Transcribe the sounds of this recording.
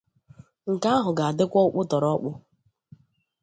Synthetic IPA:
ŋ̩˨ka˦ɦʊ˨ɡa˨a˨dɪ˦kʷɔ˦ʊ˦k͡pʊ˦tɔ˨ɾɔ˦k͡pʊ˦

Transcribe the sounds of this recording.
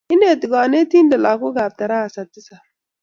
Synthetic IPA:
ɪ˦ne˨tɪ˨ɡa˨ne˦ti˦nda˨la˨kʊ˦ɡa˨t̪a˨ɾa˦˨sa˨tːɪ˦sa˨

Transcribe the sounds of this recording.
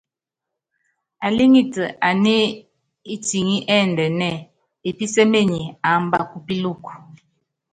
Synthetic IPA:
a˨li˦ŋi˦tə˨ʔa˨ne˦ | i˦ti˨ŋi˦ʔɛ˦˨ndɛ˨nɛ˦˨ | e˨pi˦sɛ˦me˦˨ɲi˨a˨˦mba˦˨ku˦pi˦lu˦˨ku˨

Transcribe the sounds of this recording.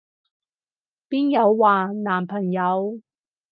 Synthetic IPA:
piː˥njɐ˨˧wːaː˨naː˨˩mpʰɐ˨˩ŋjɐ˨˧w

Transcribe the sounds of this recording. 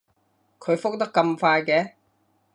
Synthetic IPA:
kʰɵ˨˧ɥfʊ˥k̚t̪ɐ˥k̚ːɐ˧mfaː˧jkɛː˨˥

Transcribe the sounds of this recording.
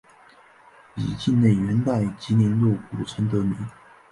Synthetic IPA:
ḭ˨˩t͡ɕi˥˧nne˥˩ɪɥɛ˧˥nt̪a˥˩ɪt͡ɕi˧˥njɛ˧˥nlwɔ˥˩ku˨˩ʈ͡ʂʰə˧˥nt̪ɤ˧˥mi˧˥˦n

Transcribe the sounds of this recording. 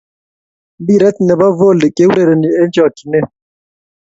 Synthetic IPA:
bi˦˨ɾɛ˦tnɛ˨ba˦vo˦˨lɪ˨kʼe˦u˦ɾe˨ɾe˨ni˨ɛ˦nd͡ʒɔ˨ki˨nɛ˦˨

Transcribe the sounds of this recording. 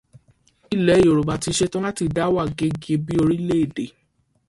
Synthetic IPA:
i˦˨lɛ˨˦˨o˨ɾo˨ba˨ti˧ʃe˦tɔ̃˦la˦ti˧da˦wa˦˨ɡe˨˦ɡe˧bi˦o˧ɾi˦le˦e˦˨de˨

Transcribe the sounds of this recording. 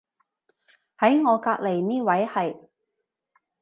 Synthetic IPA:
hɐ˨˥jŋɔː˨˧kaː˧k̚le˨˩jniː˥wɐ˨˥jhɐ˨j

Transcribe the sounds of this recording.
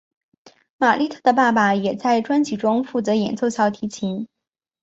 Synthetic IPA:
ma˨˩lʔi˥˧t̪ʰɤ˥˩d̪ə˩pa˥˩pa˨˩jɛ˨˩t͡sa˥˩ɪʈ͡ʂwa˥nt͡ɕʰi˨˩ʈ͡ʂʊ˥ŋfu˥˩t͡sɤ˧˥jɛ˨˩nt͡so˥˧ʊɕjɑ˥˩ʊt̪ʰi˧˥t͡ɕʰi˧˥ŋ

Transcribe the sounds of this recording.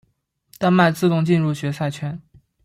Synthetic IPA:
t̪a˥˧nma˥˧ɪt͡sɹ̩˥˧t̪ʊ˥˧ŋt͡ɕi˥˧nɻu˥˩ɕɥɛ˧˥sa˥˩ɪt͡ɕʰɥɛ˧˥n

